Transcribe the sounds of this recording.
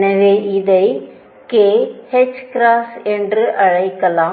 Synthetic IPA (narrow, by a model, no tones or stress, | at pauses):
nɐʋeːʔɪðɐɪ | keːhɛt͡ʃːkɾaːsɛndrɯʔɐɻɐɪkːɐlãː